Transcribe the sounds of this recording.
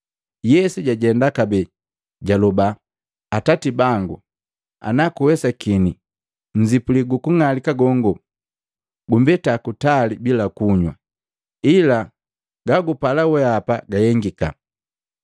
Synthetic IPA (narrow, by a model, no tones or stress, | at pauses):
jɛsuɟaɟɛndakabɛ | ɟalɔba | atatibaŋɡu | a̰nakuwɛsakini | ɲ̩d͡ʒipuliɡukuŋalikaɡɔŋɡɔ | ɡumbɛtakutalibilakuɲwa | ila | ɡaɡupalawɛapaɡajɛŋɡika